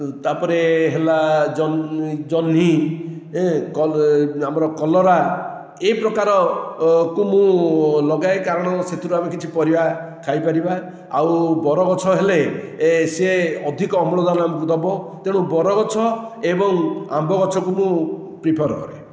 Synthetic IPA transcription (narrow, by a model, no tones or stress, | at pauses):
t̪apɔɾeɦelad͡ʒɔnd͡ʒɔni | ɦkɔamɔɾɔkɔlɔɾa | eipɾɔkaɾɔ | kumũlɔɡaekaɾɔɽ̃ɔset̪uɾuamekit͡ʃʰipɔɾibakʰajpaɾiba | a̰wbɔɾɔɡɔt͡ʃʰɔɦeleseɔd̪ʱikɔːmɔɭɔd̪anɔamɔkud̪ɔbɔt̪eɽ̃ũbɔɾɔɡɔt͡ʃʰɔebɔŋambɔɡɔt͡ʃʰɔkumũ | pɾipʰɔɾkɔ̰ɾe